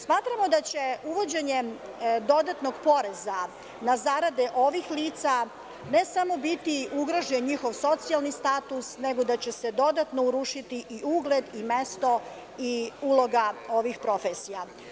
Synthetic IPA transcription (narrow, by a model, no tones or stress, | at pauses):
smaːt̪ɾamo̞d̪at͡ɕe̞uʋo̞d͡ʑe̞ɲe | d̪o̞d̪at̪noɡpo̞ɾeza | nazaɾad̪eʔo̞ʋixliːt̪sa | ne̞samo̞bit̪iuɡɾoʒenɲixo̞ʋso̞t̪sialˠnist̪aːt̪usneɡo̞d̪at͡ɕesed̪o̞d̪at̪nouɾuʃit̪iʔiuːɡle̞d̪ime̞st̪o̞ | iulˠo̞ɡao̞ʋixpɾo̞fesija